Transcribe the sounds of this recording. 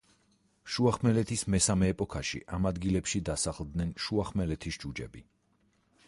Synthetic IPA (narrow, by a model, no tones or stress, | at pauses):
ʃuaχmɛlɛt̪ʰismɛsamɛːpʼɔkʰaʃḭʔamad̪ɡilɛpʃid̪asaχlˠd̪nɛnʃuaχmɛlɛt̪ʰisd͡ʒud͡ʒɛ̰bi